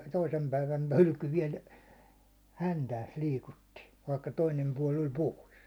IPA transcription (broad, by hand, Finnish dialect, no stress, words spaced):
toisem pæiʋæn hylky ʋiɛl hæntæːs liːkutːi ʋɑikːɑ toinem puɒl olʲ poˑis